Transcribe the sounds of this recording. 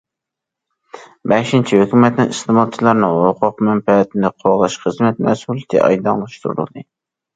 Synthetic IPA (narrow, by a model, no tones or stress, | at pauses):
bɛʃint͡ʃʰihøkʲymɛt̪nɪŋɨst̪ɨmɑt͡ʃʰilˠɑɾnɨŋwoqʰʊqmɛmpɛt̪ʰɪnɨqʰoʁlˠɑʃχəzmɛt̪̚mɛsulˠt̪ʰɨ̰ʔɑ̰jd̪ɑ̰ŋlˠɑʃt̪ʰuɾṵlˠd̪ɨ